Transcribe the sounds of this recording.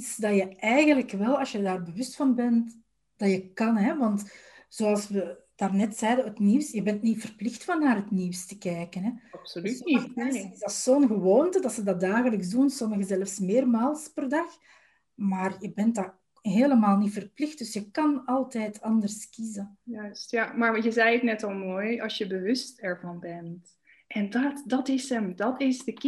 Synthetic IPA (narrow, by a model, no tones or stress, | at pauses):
tsdɑjəɛjɣənləkʋɛlˠɑsjədaːrbəʋʏstfɑnbɛnt | d̥ɑjəkɑnɦɛʋɑntz̥oːɑlˠsʋəd̥aːrnɛtsɛːdəɦətniːwsjəbɛntnifərplɪxtfɑnːaːrɦətniwstəkɛːkənɦɛs | ɪzdɑtsoːnɣəʋoːntədɑtsədɑt̚daːɣələksdunsɔməɣəzɛlfsmɪːrmaːlˠspərdɑx | maːrjəbɛntda | ɦeːləmaːlˠnitfərplɪxt̚d̥ʏsjəkɑnɑlˠtɛːtʰɑndərskizəjœstjamaːɹjəzɛjətnɛtɑlˠmoːjɑlˠsjəbəʋʏstɛɹvɑnbɛnt | ʔɛndɑtdɑtɪsəmdɑtɪzdək